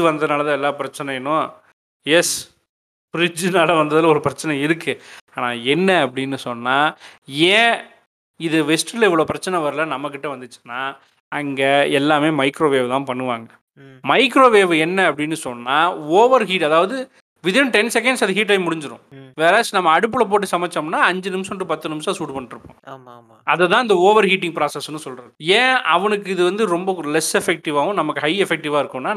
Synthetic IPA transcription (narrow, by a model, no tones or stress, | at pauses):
ɯʋɐnd̪ɐɐnaːɭɐðãɛlːaːpɪɾɐt͡ʃːɐnɐjnʊ̃ | jɛs | fɾɪd͡ʒɯnaːlɐʋɐnd̪ɐðɪlɔɾɯpɪɾɐt͡ʃːɐnɐɪɾɯkːɯaːnaːɛnːɐɐp̬ːɐɽɪnːɯsɔnːaːẽː | ɪðɯʋɛsʈlɪʋɐɭoːpɪɾɐt͡ʃːɐnɐʋɐɾɯlɐnɐmːɐk̬ːɪʈːɐʋɐnd̪ɯt͡ʃːɯ̥nːaː | ɐŋɡeɛlːaːmeːmɐɪkɾoːʋeːʋt̪ãːpɐɳːɯʋaːŋɡɐ | mɐɪkɾoːʋeːʋɯɛnːɐɐpːɐɽɪnːɯsɔnːaːoːʋɐɾɦiːʈɐðaːʋɐðɯ | ʋɪðɪnʈɛnsɛk̬ɐ̃ɳɖsɐðɯɦiːʈ̬ːɐɪmːʊɽɪɲd͡ʒɯɾʊ̰̃ʋeːɾaːsnɐmːɐɐɽɯp̬ːɯɭɐp̬oːʈ̬ːɯsɐmɐt͡ʃːɐmnːaːɐɲd͡ʒɯnɪmsɐ̃ʈːɯpɐt̪ːɯnɪmsɐ̃suːʈpɐɳːɪʈɾɯpːʊ̰̃aːma | ɐðɛt̪ãːɪnd̪ɐoːʋɐɾɦiːʈ̬ːɪ̃ŋɡpɾaːsɐsnːɯsɔlrɾɐðɯẽːɐʋɐnɯk̬ːɯɪðɯʋɐnd̪ɯɾɔmbɐlɛsɛfɛk̚ʈɪʋaːʋʊ̃nɐmɐkːɯɦɐɪɛfɛk̚ʈɪʋaːɪɾɯkːʊ̃nːaː